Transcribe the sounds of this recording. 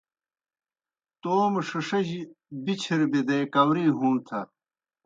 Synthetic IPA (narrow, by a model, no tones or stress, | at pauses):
t̪oːmʂɐʂɐʑibit͡ɕʰiɾbid̪ekɐwɾiːɦuːnt̪ʰɐ